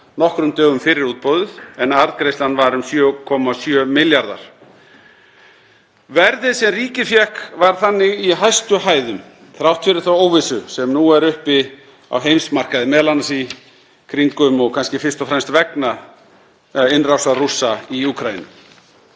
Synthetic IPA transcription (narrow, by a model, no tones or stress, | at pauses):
nɔhkɾʏmt̪œːɣʏmfɪɾɪɾuːt̪̚powðʏθɛnaɾðkɾejst̪anːvaɾʏmsjœːkʰɔmasjœːmɪljaɾða̰ɾ̥ | vɛɾðɪðsɛmriːcɪfjɛhkvaɾ̥θanːɪɣiɦajst̪ʏɦaːjðʏm | θɾawht̪fɪɾɪɾ̥θawoːwvɪsʏsɛmnuɛɾʏhpɪ | a̰wɦejmsmar̥kaðɪmɛðlanːasi | kʰɾiŋkʏmɔɣkʰanscɪfɪ̥st̪ɔfɾɛmst̪vɛkna | ɪnrawsarusaiuːkʰɾajḭnʏ̰m